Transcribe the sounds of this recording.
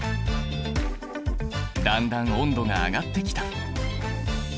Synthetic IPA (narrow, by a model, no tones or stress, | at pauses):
d̪ãnd̪ãŋõ̞nd̪o̞ŋa̰ːɡat̪ːe̞kʲi̥t̪ḁ